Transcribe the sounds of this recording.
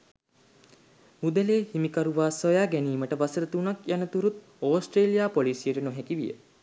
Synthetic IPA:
ud̪əleːhimikaɾuʋaːsojaːɡæniːməʈəʋasəɾət̪unakjanət̪uɾut̪̚ | oːsʈreːlijaːpoliːsijəʈənoɦækiʋijə̰

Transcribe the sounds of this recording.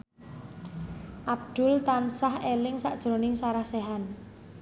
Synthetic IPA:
ʔab̚d̪̥ʊ̤lt̪ansahelɪŋsa̰ʔd̥ʒ̥ɾonɪŋsaɾahseɦan

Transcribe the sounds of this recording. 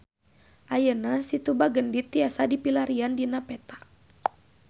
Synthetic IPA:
ʔajənasit̪ubaɡəndit̪iasadipilaɾiandinapɛt̪a

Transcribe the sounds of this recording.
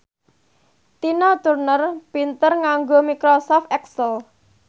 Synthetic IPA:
t̪inɔt̪urnərpint̪ərŋaŋɡomikɾosɔft̪ɛksəl

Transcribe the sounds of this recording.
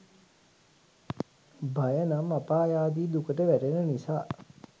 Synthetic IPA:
bajənamapaːjaːd̪iːd̪ukəʈəʋæʈenənisaː

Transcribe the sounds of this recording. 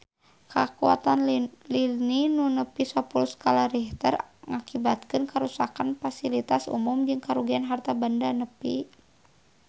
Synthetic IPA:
kʰakua̰t̪anlininunəpiswapulskalaɾiht̪ə̰rŋakibat̪̚kɨnkaɾusakanfasilit̪asṵmumd͡ʒɨŋkaɾuɡianɦart̪abandanəpḭ

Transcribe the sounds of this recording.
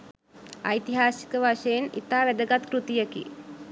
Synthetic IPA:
ajt̪iɦaːsi̥kəʋaʂəjenḭt̪aːʋæd̪əɡat̪kɾut̪ijəkḭ

